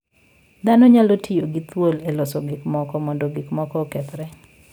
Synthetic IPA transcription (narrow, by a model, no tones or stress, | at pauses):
d̪anɔɲalotʰɪjoɡɪt̪wolelɔsɔɡɪkmɔkɔmɔndoɡɪkmɔkɔkɛt̪ɾɛ